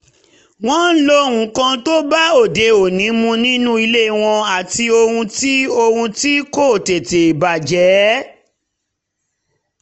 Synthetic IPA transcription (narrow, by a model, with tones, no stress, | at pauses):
w̃ɔ̃˦n̩˦lo˦hũ˨˧kã˧to˦ba˦o˦˨de˨o˨nĩ˨˦mũ˧nĩ˦nũ˦i˧le˦˨w̃ɔ̃˧a˨ti˧o˧hũ˧ti˦o˧hũ˧ti˦ko˦˨te˨te˨i˨ba˨d͡ʒɛ˨˦